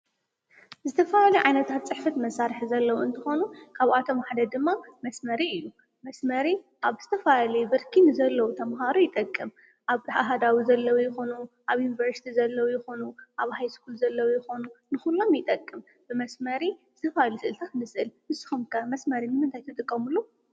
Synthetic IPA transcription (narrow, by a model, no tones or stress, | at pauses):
zɨt̪ʰɐfaluʕajnɐt̪ʰat̪̚t͡sʼɨħfɐt̪mɐsːaɾɨħzɐlːɐwuɨnt̪ʰɨxo̞nukʰaβat̪ʰo̞maħd̪ɐd̪ɨmːamɐsmɐɾiɨjːu | mɐsmɐɾi | ʔaβz̥ɨt̪ʰɐfajlibɨɾkʰinɨzɐlːɐwut̪ʰɐmɦaɾujɪt̪ʼɐkʼːɨm | ʔaβħaɦad̪awizɐlːɐwujɪxonu | ʔaβjunivɐɾsi̥t̪ʰizɐlːɐwujɪxonuʔaβhajskʰulzɐlːɐwujɪxo̞nunɨxulːo̞mjɪt̪ʼɐkʼːɨm | b̥ɨmɐsmɐɾiz̥ɨt̪ʰɐfajlusɨʔɨlt̪ʰat̪nɨsʔɨlʔɨsɨ̥xumkʰɐmɐsmɐɾinɨmɨnt̪ʰajt̪ʰɨt̪ʼɨkʼːɐmulːu